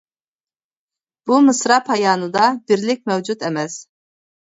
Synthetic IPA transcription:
b̥umɨsɾɑpʰhɑjɑːnɨd̪ɑbɪɾlɪk̚ʲmɛwd͡ʒut̪ɛmɛs

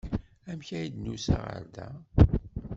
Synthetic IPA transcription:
æmçæjid̪nusa̰ʁə̰ɾd̪æ

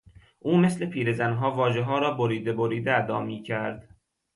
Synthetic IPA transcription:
ʔuːme̞sle̞pʰiːɾe̞zænɦɒːvɒːʒe̞ɦɒːɾɒːboɾiːd̪eboɾiːd̪eæd̪ɒːmiːcʰæɾd̪̥

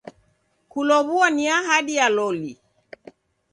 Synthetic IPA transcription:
kulɔβuaniaɦaɗialɔli

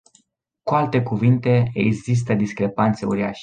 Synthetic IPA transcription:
kualt̪e̞kuvint̪e̞eɡzis̬t̪əd̪iskɾe̞pant̪se̞uɾiaʃe̥

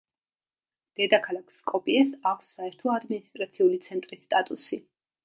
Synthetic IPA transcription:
d̪̥ɛd̪akʰalˠakʰskʼɔpʼiɛsakʰsːaɛɾt̪ʰɔad̪minist̪ʼɾat̪sʰiulit̪sʰɛnt̪ʼɾisːt̪ʼat̪ʼusi

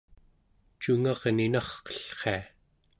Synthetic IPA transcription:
t͡ʃuŋɑʁninɑχqʌ̥ɬχe̞a

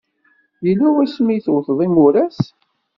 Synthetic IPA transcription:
jəlːuwæsmijθwθðˤimʊɾæs

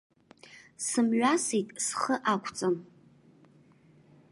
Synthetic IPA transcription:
sɨmɥʷasitʼsχəʔakʷʰt͡sʼɨm

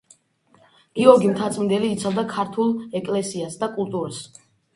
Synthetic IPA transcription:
ɡ̥iɔɾɡimt̪ʰat̪sʼmind̪ɛliːt̪sʰavˠd̪akʰaɾt̪ʰulˠɛkʼlɛsiasd̪akʼulˠt̪ʼuɾas

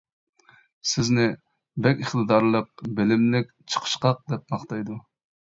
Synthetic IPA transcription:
sɪznɪ | bɛkʲɪχt̪ɨd̪ɑɾlˠəq̚bɪlɪmlɪkʲt͡ʃʰə̥qʰə̥ʃqɑq̚d̪ɛp̚mɑχt̪ɑjd̪u

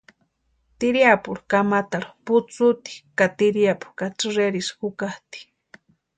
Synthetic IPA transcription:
t̪iɾiapuɽukamat̪aɾuput͡sut̪i̥kat̪iɾiapu̥kat͡sɨɾeɾisxukaht̪i̥

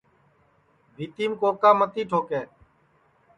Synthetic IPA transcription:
bʱiːt̪iːmkoːkaːmət̪iːʈʰoːkeː

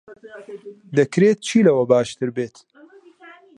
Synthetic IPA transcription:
d̪əkɾeːt̪̚t͡ʃʰiːlɐwɐbaːʃt̪ɨɾbeːt̪

